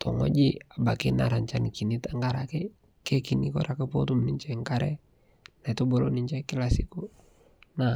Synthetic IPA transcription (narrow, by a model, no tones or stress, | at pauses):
t̪ʰɔ̰ŋɔ̰d͡ʒiabakinaɾaɲt͡ʃanikinit̪aŋɡaɾakɛ | kɛkinikɔɾakəpɔt̪umniɲt͡ʃaiŋkaɾɛ | nait̪ubɔlɔniɲt͡ʃaikɛlasiku | na